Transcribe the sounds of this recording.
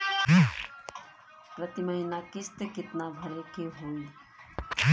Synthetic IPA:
ɦ | pɾət̪iməɦinakɪst̪ekɪt̪nabʱɐɾekeɦoːi

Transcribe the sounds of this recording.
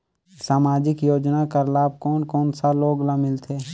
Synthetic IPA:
saːmaːd͡ʒɪkjoːd͡ʒnakəɾlaːb̚kɔːnkɔːnsaloːɡlamɪlt̪ʰeː

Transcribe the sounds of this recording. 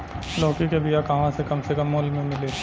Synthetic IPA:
lɔːkikebijakɐɦãsekɐmsekəmːʊlmẽmɪle

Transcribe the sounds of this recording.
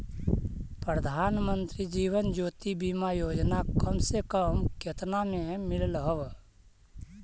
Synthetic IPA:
pɾəd̪ʱaːnmə̃nt̪ɾid͡ʒiːwənd͡ʒoːt̪ibimajoːd͡ʒnakəmsekəmket̪namẽmɪllɦəʋ

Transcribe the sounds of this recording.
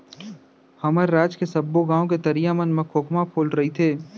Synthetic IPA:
hɐməɾːaːd͡ʒkesɐbːoɡãːõket̪ɐɾijamənmɐkʰoːkmapʰoːlɾɐɦit̪ʰeː

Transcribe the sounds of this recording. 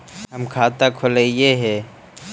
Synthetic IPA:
ɦɐmkʰaːt̪akʰʊlejeɦɛː

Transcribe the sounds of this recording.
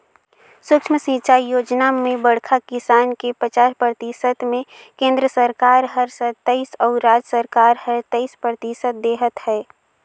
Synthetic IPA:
sʊkʃməsə̃t͡ʃaːijoːd͡ʒnamẽbəɽkʰakɪsaːnkepət͡ʃaːɾpɾət̪isəd̪mẽ | kẽːnd̪ɾəsəɾkaːɾɦəɾsət̪əɪsɔːɾaːd͡ʒəsəɾkaːɾhəɾt̪əɪspɾət̪isət̪̚d̪eːɦət̪hɛː

